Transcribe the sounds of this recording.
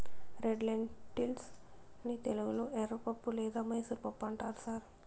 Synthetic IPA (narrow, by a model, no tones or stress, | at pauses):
ɾeɖlɐɳʈilsnit̪eluɡulueɾɐpɐpːulɛːd̪aːmɐjsuɾpɐpːɐɳʈaːɾusaːɾ